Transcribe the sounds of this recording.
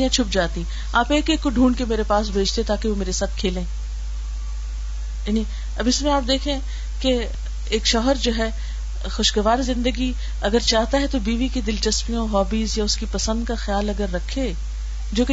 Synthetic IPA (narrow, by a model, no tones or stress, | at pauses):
ijãt͡ʃʰʊp̚d͡ʒaːt̪ĩ | aːpeːkeːkːoɖʱũːɳɖkemeːɾepaːsbʱeːd͡ʒt̪eɛt̪aːkeʋomeːɾesaːt̪ʰkʰeːlẽː | jaːni | ɐbɪsmẽaːp̚d̪eːkʰẽ | ke | eːkʃɔːɦəɾd͡ʒoːɦɛː | xʊʃɡɐʋaːɾzɪ̃nd̪əɡi | ɐɡəɾt͡ʃaːɦt̪aɦɛt̪obiːʋiked̪ɪlt͡ʃɐspijõɦɔːbiːzjaʊskipɐsə̃nd̪kaxjaːlɐɡəɾːɐkʰːeː | d͡ʒoːke